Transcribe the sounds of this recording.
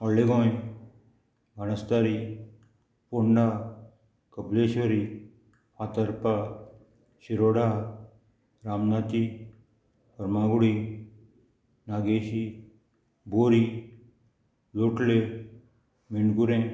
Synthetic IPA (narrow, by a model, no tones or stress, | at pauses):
ɔlːeɡõː | bʱɐnəst̪aɾi | poɳɖa | kəpleːʃʋəɾi | at̪əɾpa | ʃiɾoːɽa | ɾaːmnaːt̪i | pəɾmaːɡuɽi | naɡeːʃi | boːɾi | loːʈle | miɳɖɡuɾẽ